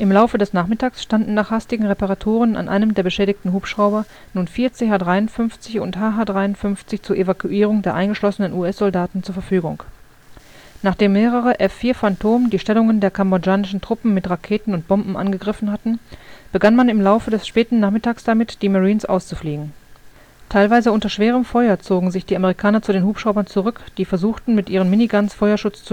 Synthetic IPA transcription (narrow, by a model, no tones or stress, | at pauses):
ʔɪmlaʊfədɛsnaːχmɪtaːksʃtandn̩naːχhastɪɡŋ̩ʁepaʁatʰoːʁənʔa̰nʔa̰ɪnəmdeːɐbəʃɛːɾɪçtn̩ɦuːpʃʁ̥aʊbɐ | nuːnfiːɐt͡seːɦaːdʁaɪʊntfʏnft͡sɪçʊ̰nthaːɦaːdʁaɪʊntfʏnft͡sɪçt͡suːɐʔevakʰuʔiːʁ̞ʊŋdeːɐʔaɪnɡəʃlɔsənənuːɛsz̥ɔldaːtn̩t͡suɐfɛɐfyːɡʊ̰ŋk | naːχd̥eːmːeːʁəʁəʔɛfːiːɐfantʰoːməndiːʃtɛlʊŋəndeːɐkʰambod͡ʒaːnɪʃn̩tʁ̥ʊpm̩mːɪtʁakʰeːtn̩ʊnt̚b̥ɔmbm̩ʔa̰nɡəɡʁɪfn̩hatn̩b̥əɡanmanɪmlaʊfədɛsʃpɛːtn̩naːχmɪtaːksd̥amɪtd̥iːmaʁiːnsʔa̰ʊst͡sufliːɡŋ̩ | tʰaɪlvaɪzəʊntɐʃv̥eːʁ̞əmfɔʏɐt͡soːɡŋ̩zɪçd̥iːʔameʁikʰaːnɐt͡sudeːnhuːpʃʁ̥aʊbɐnt͡suʁʏkd̥iːfɛɐzuːxtn̩mɪtʔiːʁ̞əmɪniɡʁansfɔʏɐʃʊt͡st͡s